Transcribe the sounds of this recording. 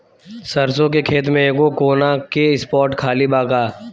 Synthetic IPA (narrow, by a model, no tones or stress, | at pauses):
sɐɾsõkekʰeːt̪̬mẽeːɡokoːnakeɪspɔːɾʈkʰaːlibaːɡaː